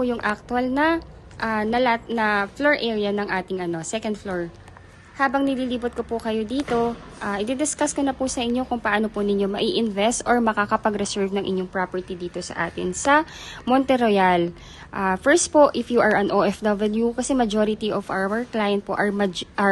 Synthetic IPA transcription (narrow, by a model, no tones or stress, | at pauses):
pujʊŋʔak̚t̪ʊɐlnɐ | ʔaːnɐlanɐfloɹʔɛːɹijɐnɐŋʔaːt̪ɪŋʔɐno̞sɛkɐnd̪floɹ | haːbɐŋnɪliːliːbot̪̚kopʊkɐjo̞d̪iːt̪o̞ | ʔaːʔɪd̪ɛd̪ɪskaskonɐpʊsɐʔɪɲːo̞kʊŋpɐʔano̞pʊnɪɲːo̞mɐʔiʔɪnvɛst̪ʔoɹmɐkakɐpɐɡɾɛsɛɹvnɐŋʔɪ̰ɲːoŋpɾapɛɹt̪id̪iːt̪o̞sɐ̰ʔa̰ːt̪ɪ̰nsɐ | mont̪ɛɾojal | ʔaːfɛɹst̪̚poʔɪfjuʔɐɹʔɐnʔoːʔɛfd̪ɐbɐljukɐsɛmɐd͡ʒoɾɪt̪iʔovʔa̰wɛɹklaːjɐnt̪̚po̰ʔɐɹmd͡ʒʔ